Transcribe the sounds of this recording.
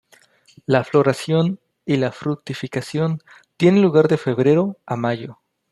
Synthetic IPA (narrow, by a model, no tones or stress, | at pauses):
laflo̞ɾasjo̞n | ilafɾuk̚t̪ifikasjo̞n | t̪je̞nenluɣaɾðe̞fe̞βɾe̞ɾo̞amaʝo̞